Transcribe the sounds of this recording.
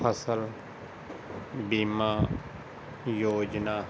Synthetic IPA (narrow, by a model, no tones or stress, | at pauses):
əsəl | biːmaː | joːd͡ʒna